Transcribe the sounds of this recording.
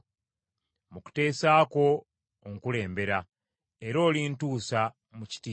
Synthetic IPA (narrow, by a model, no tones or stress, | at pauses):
muku̥te̞ːsaːko̞ː | ŋkule̞ːmbe̞ɾa | e̞ɾo̞ːlintuːsa | muci̥ti